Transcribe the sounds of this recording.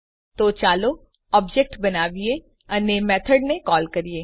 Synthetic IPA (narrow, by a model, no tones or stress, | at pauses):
t̪oːt͡ʃaːlo | ɔːbd͡ʒɛk̚ʈbɐnaːʋie | ɐnemɛːt̪ʰəɖnekɔːlkɐɾieː